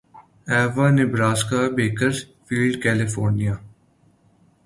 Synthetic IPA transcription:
ɛːʋanɪbɾaːskabeːkəɾfiːlɖkɛːlɪfoːɾnijaː

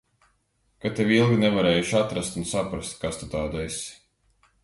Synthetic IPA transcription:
kat̪evilˠɡʲinɛvaɾɛːjuʃat̪ɾast̪unsapɾast̪̚kast̪ut̪aːd̪esʲi̥

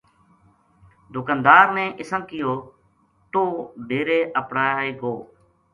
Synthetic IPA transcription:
d̪ʊkaːnd̪aːɾnɛ̃ːʔɪsəmkɪjoː | t̪oːd̪ʱeːɾeːʔəpɽaːeːɡoː

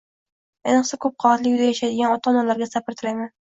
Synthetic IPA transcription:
enɨqsakʰɵp̚qʰɒat̪lɪkʲjʊzajaʃajd̪ɪɡʲanɒt̪ʰɒːnalaɾɡʲasapʰɪɾt̪ʰɪɾajman

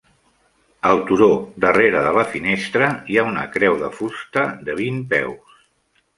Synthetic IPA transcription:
əlˠt̪uɾod̪əreɾəðələfinest̪ɾəiaunə̰kɾɛwðəfust̪əðəβ̞impɛ̰ws

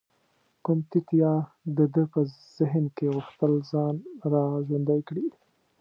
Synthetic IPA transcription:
kʊmt̪ɪt̪jɑ | d̪əd̪əpə | z̥ɪɦnkeɣʊxt̪əlzɑnɾɑʒwand̪ajkɽi

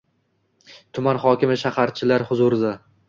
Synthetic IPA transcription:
t̪ʰʊmanχɒkʲɪmɪʃahaɾt͡ʃʰɪlaɾhʊzʊɾɪd̪a

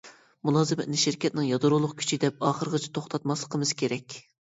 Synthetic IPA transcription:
mulˠɑːzɨmɪt̪nɪʃɪɾkʲʰɛt̪̚nɪŋjɑd̪ʊɾolˠʊqkʲʰy̥t͡ʃʰid̪ɛp̚ɑːχəɾʁət͡ʃʰi̥t̪ʰoχt̪ʰɑt̪mɑslˠəqʰəmɨz̥kʲʰeɾɛkʲ

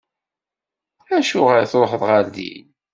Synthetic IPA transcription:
æʃʊʁəɾθɾoħəðˤʁaɾðḭn

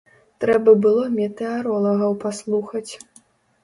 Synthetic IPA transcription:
t̪ɾɛbɐbɨlˠɔmʲɛt̪ɛaɾɔlˠɐɣɐwpaslˠuxɐt͡sʲ

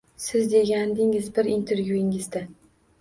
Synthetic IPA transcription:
sɪzd̪e̞ɡʲand̪ɪŋɪzbɪɾint̪ʰe̞ɾvjuɪŋɪzd̪a

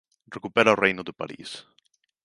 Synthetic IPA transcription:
rekupeɾaorejnoðepa̰ɾḭs

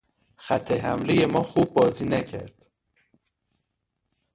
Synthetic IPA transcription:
xæt̪ʰːeɦæ̰mleje̞mɒːxuːb̚ːɒːziːnæcʰæ̰ɾd̪̥

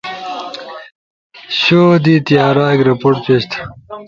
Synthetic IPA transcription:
ɕoːd̪it̪jaːɾaːkɾepoːʈ̚peːɕt̪ʰḁ

